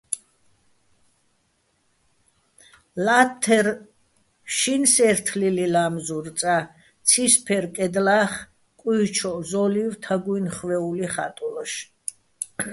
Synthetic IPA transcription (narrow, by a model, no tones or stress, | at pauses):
lat̪ʰːɛɾ | ʃinsɛɾt̪ʰlililamzuɾt̪sʼa | t̪sʰispʰɛɾkʼɛd̪laːχ | kʼiːt͡ʃʰɔzɔlivt̪ʰaɡuinχvɛuliχa̰t̪ʼulaʃ